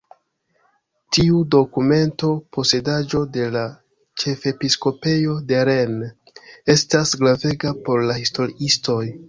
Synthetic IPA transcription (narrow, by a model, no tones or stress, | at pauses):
tiudo̞kume̞nto̞pʰo̞se̞dad͡ʒo̞de̞la | t͡ʃe̞fe̞pisko̞pe̞jo̞de̞ɾe̞n | e̞stasɡɾave̞ɡapo̞ɾlahisto̞ɾiisto̞j